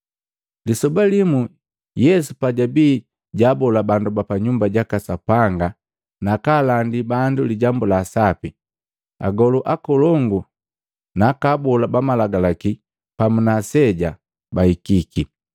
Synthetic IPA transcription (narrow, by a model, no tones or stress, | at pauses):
lisɔbalimu | jɛsupaɟabiː | ɟabɔlabandubapaɲumbaɟakasapaŋɡa | nakaːlandibanduliɟambulaːsapi | a̰ɡɔluʔakɔlɔŋɡu | naːkabɔlabamalaɡalaki | pamunasɛɟa | bahikiki